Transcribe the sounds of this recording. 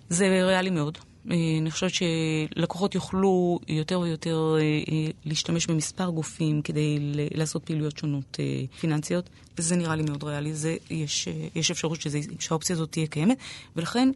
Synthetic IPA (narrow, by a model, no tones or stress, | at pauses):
ze̞ʁealime̞o̞d | eaniχoʃevet͡ʃe̞lakoχo̞tjoχlujo̞te̞ʁvejote̞ʁ | liːʃtame̞ʃbemispaʁɡufimke̞dejelaːso̞t̚peːlujo̞tʃonotʰḛfinant͡sijo̞t | vezeniʁalimeo̞dʁealizejeʃjeʃefʃaʁutʃeʃehaop̚t͡sijaːzo̞t̪ːijekajemetve̞laχe̞n